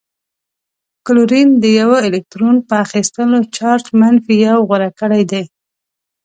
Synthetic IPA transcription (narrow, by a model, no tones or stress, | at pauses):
kluɾind̪əjawəɪlɪk̚t̪ɾonpəaxist̪əlot͡ʃɑɾʈmanfijɑwɣaɾakəɽajd̪aj